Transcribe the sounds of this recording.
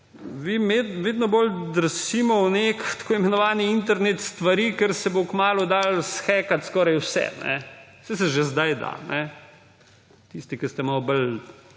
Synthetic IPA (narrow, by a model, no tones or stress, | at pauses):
ʋiːmeʋeːd̪nɔbold̪əɾsiːmɔwnekt̪ḁkoːimɛnɔʋaːniint̪ɛɾnet̪st̪ʋaɾiːkɛɾsɛbokmaːlud̪aːlsxɛːkat̪skɔːɾajwsɛ̰nɛ̰ | sɛs̬ɛʒezd̪ajd̪a̰nɛ | t̪ist̪ikɛst̪ɛmawbəl